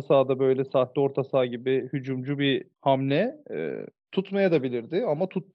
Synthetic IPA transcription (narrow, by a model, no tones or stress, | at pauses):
saːd̪abø̞jlʲɛsaːt̪lʲɛo̞ɾt̪ʰasaːɟibɪhyd͡ʒumd͡ʒubihamlʲɛ̰ | t̪ʰut̪majad̪abilʲiɾd̪ɪamat̪ʰut̪̚